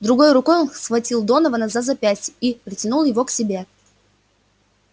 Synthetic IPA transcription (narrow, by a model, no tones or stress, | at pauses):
d̪ɾʊɡo̞jʊɾʊko̞jonsxvɐtʲilˠd̪o̞nəvənɐzazɐpʲæsʲipɾʲɪtʲɪnulˠjɪvo̞ksʲɪbʲe̞